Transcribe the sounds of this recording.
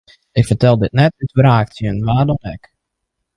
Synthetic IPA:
ɪkfərtɛlˠdɪt̚nɛtytbraːktjənʋaːrdɔnɛk

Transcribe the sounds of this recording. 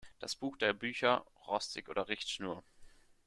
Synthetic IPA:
d̥asb̥uːxd̥eːɐbyːçɐ | ʁɔstʰɪkʔo̰ːdɐʁɪçtʃnuːɐ

